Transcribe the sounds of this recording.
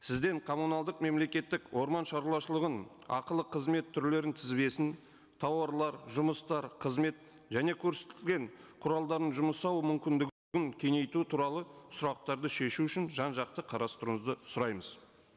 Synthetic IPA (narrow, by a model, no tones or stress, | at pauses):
sɪzd̪e̞ɴqʰo̞munɑlˠd̪əqme̞mle̞kʲe̞t̪ːɪkwo̞ɾmɑnʃɑɾlˠɑʃəlˠəʁən | ɑ̰qəlˠəqʰəzme̞t̪ʰːʏɾle̞ɾɪnt̪ʰɪzbe̞sɪn | t̪ʰɑwɑɾlˠɑɾʒʊməst̪ɑɾqʰəzme̞t̪̚ | ʒæne̞kʲʰɵɾse̥t̪ɪɪlʲɡʲe̞ɴqʰʊɾɑlˠd̪ɑɾənʒʊməsɑwmʏmkʲɪnd̪ɪɡʲ | ɡʲɪŋkʲʰe̞ŋe̞jt̪ut̪ʰuɾɑlˠəsʊɾɑq̚t̪ɑɾd̪əʃe̞ʃuʏʃɪnʒɑnʒɑq̚t̪əqʰɑɾɑst̪əɾəɴəzd̪əsʊɾɑjməz̥